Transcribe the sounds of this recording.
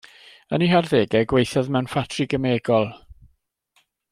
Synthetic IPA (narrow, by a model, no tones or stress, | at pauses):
əniɦarðeːɡɛɡwejθaðmɛwnfatʰriɡəmeːɡɔlˠ